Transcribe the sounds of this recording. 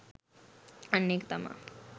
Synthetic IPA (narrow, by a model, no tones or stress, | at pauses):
ənːekt̪ɐma̰